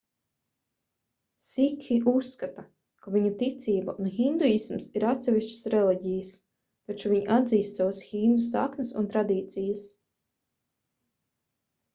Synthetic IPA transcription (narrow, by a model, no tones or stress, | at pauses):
sikiusːkat̪a | kaviɲat̪it̪sʲiːbaʔunxind̪ujismsiɾat̪sʲɛvʲiʃt͡ʃə̥sɾɛliɟʲijəs | t̪at͡ʃuvʲiɲiʔad̪ziːst̪sawasxind̪usa̰knəsṵnt̪ɾad̪iːt̪sijəs